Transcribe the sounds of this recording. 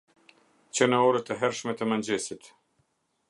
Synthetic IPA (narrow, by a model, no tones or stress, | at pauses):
t͡ɕənəɔɾət̪əɦɛɾʃmɛt̪əmənd͡ʑɛsit̪